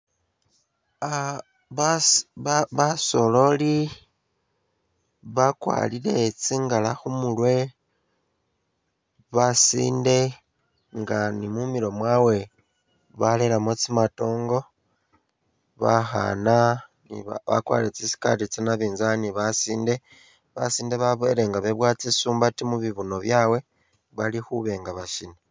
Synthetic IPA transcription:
a | ββaso̞lo̞li | βakwa̰lile̞t͡siːŋɡalaxumulwe̞ | βasḭːnde̞ | ŋɡanimumiɾo̞mwawe̞ | βale̞lamot͡simato̞ːŋɡo̞ | βaxa̰nanḭβa̰kwa̰ːliɾet͡sisi̥ka̰tit͡senaβiːnzaniβasiːnde̞ | βasiːnde̞βaβoeɾe̞ŋɡaβe̞βwaːt͡sisuːmbatimuβiβuno̞βjaːwe̞ | βalixuβe̞ŋɡaβaʃine

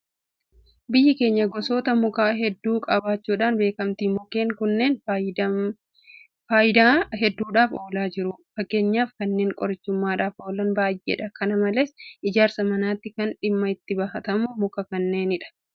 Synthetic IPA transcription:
bɪjːɪke̞ːɲːɐɡɔso̞ːt̪ɐmʊkaːɦɛd̪ːuːkʼɐbaːt͡ʃːuːᶑaːnbe̞ːkɐmt̪iːmʊke̞ːŋkʊnːe̞ːn | faːjɪd̪aːɦɛd̪ːuːᶑaːfo̞ːlaːd͡ʒɪɾʊfɐkːe̞ːɲːaːfkɐnːe̞ːŋkʼɔɾɪt͡ʃːʊmːaːᶑaːfo̞ːlɐnbaːjʔːḛᶑɐkɐnɐmɐleːsɪd͡ʒaːɾsɐmɐnaːt̪ːɪkɐnᶑɪmːɐɪt̪ːɪbɐhɐt̪ɐmʊmʊkɐkɐnːe̞ːnɪᶑɐ̥

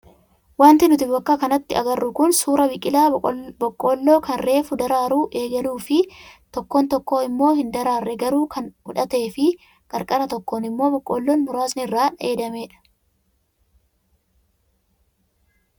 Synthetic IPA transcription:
waːnt̪ɪnʊt̪ɪfbɐkːakɐnɐt̪ːɪɐ̰ɡɐrːʊkʊnsuːɾɐbɪkʼːɪlaːbɔkʼːo̞ːlːo̞ːkɐnre̞ːfʊd̪ɐɾaːɾuːʔe̞ːɡɐluːfɪt̪ɔkːont̪ɔkːo̞ːɪmːo̞ːhɪnd̪ɐɾaːrːɛɡɐɾuːkʰɐnʊ̰ᶑɐt̪e̞ːfɪ | kʼɐɾkʼɐɾɐt̪ɔkːoːnɪmːo̞ːbɔkʼːoːlːoːnmʊɾaːsnɪrːaːneːd̪ɐme̞ːᶑɐ̥

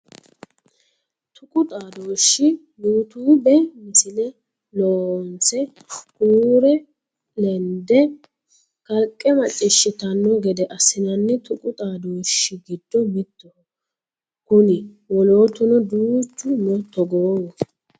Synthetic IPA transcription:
t̪ʊkʼʊt̪ʼaːd̪oːʃːɪ | nuːt̪uːbɛmɪsɪnɛ | loːɔnt͡sɛ | kuːɾɛ | lɛnd̪ɛ | kɐlkʼːɛmɐt͡ʃʼːɪʃːɪt̪ɐnːɔɡɛd̪ɛʔɐsɪnɐnːɛt̪ʊkʼʊt̪ʼaːd̪oːʃːɪɡɪd̪ːɔmɪt̪ːɔ | kʊnɪ | wɔlo̞ːt̪ʊnɔd̪uːt͡ʃːʊnɔt̪ːɔɡoːwɔ

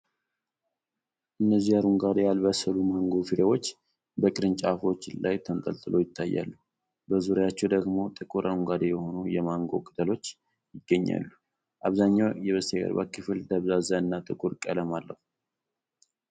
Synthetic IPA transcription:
ʔɨnːəzːijaɾuŋɡad̪ejalbəsəlumaŋɡo̞fiɾewo̞t͡ʃː | bəkʼɨɾɨnt͡ʃʼafo̞t͡ʃːɪlajt̪ʰənt̪ʼə̰lt̪ʼɨlo̞jɪt̪ʰːajːa̰lːu | bəzuɾejat͡ʃːɛwd̪əɡmo̞t̪ʼɨkʼuɾʔaɾuŋɡad̪ejɛho̞nujɛmaŋɡo̞̰kʼɨ̥t̪ʰʼəlo̞t͡ʃː | jɪɡəɲːa̰lːu | ʔaβzaɲːawjɛβəseɡə̰ɾba̰kːɨfɨld̪əβzazaɨnːat̪ʼɨkʼuɾkʼələmalːəf

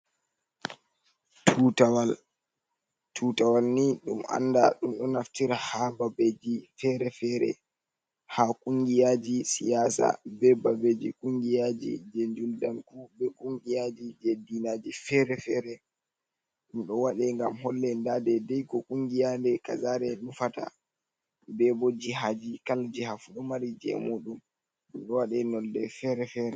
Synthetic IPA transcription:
tʰutawal | tʰutawalniɗuma̰nda̰ɗumɗɔnaftiɾahababed͡ʒifɛɾɛfɛːɾɛ̰ | hakʼuŋɡijaːd͡ʒisijaːsa̰bɛbabed͡ʒikuŋɡijad͡ʒḭd͡ʒend͡ʒuldankubɛkʼuŋɡijad͡ʒid͡ʒedinad͡ʒifɛɾɛfɛɾɛ | nɗɔwaɗɛŋɡamhɔlːɛndadɛdɛjkɔkuŋɡijandɛka̰zaːɾɛnufata̰ | bɛbɔd͡ʒiɦad͡ʒikald͡ʒihafuɗɔmaɾid͡ʒɛ̰muːɗum | nɗɔwaɗɛnɔldɛfɛɾɛfɛɾɛ

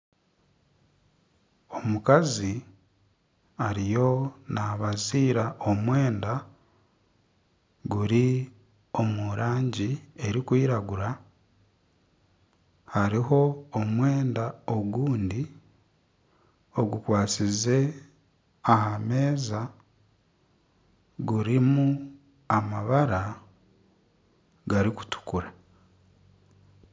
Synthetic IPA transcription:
o̞mukazi | aɾijo̞naβaziːɾaomwe̞ːnda | ɡuɾi | o̞muɾaːɲɟie̞ɾikwiːɾaɡuɾa | haɾiɦo̞ːmwe̞ːndaoɡuːndi | o̞ɡukwaːt͡size̞ | ahame̞ːza | ɡuɾimu | amaβaɾa | ɡaɾiku̥tu̥kuɾa

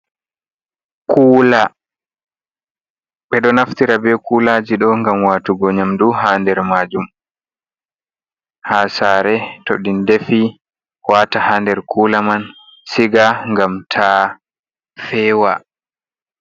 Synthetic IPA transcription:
kʰuːla | ɓɛɗɔnaftiɾabɛkuːlad͡ʒiɗɔŋɡamwaːtuɡɔɲamduɦaːndɛɾmaːd͡ʒum | haːsaːɾɛtoɗindefi | waːtahandɛɾkuːlaman | siɡaŋɡamtʰa | fɛːwa

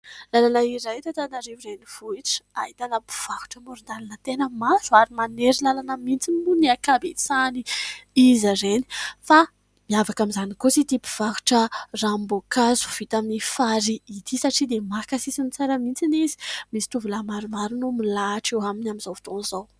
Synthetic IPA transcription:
lalanəiɾajt̪at̪anaɾevuɾejniv̥uiʈ͡ʂaɦit̪anəpi̥v̥aku̥ʈ͡ʂəmoɾund̪alanət̪enəmazuaɾimaneɾilalanəmint͡sinimuniakabet͡saniizaɾeni̥fa | miavakamizanikot͡sit̪ipi̥v̥aku̥ʈ͡ʂərambokazu̥v̥it̪aminifaɾiːt̪ʰisaʈ͡ʂid̪emakasisinit͡saɾəmint͡sinizi̥misi̥t̪uvulamaɾumaɾunumilaʈ͡ʂewaminaminz̥owvu̥t̪onzaw

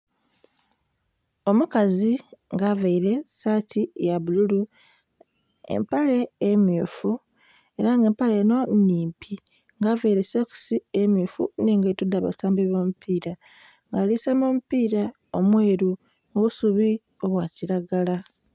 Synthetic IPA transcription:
o̞mukaziŋɡaːvaiɾe̞satʰijaβululu | e̞̰mpale̞ːmjuːfu | e̞ɾaŋɡe̞ːmpaleno̞niːmpʰi | ŋɡaːvaiɾe̞soku̥siemjuːfṵneːŋɡetudːaβa̰saːmbeβo̞ːmupiːɾa | ŋɡalisaːmo̞ːmupiːɾa | o̞mwe̞ːɾu | oβusuβi | o̞βwaːciɾaɡala

